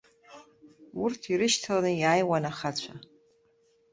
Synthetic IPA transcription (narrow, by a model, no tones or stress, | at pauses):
urtʰiɾɨʃtʰalanɨjajwanaχat͡ɕʷʰa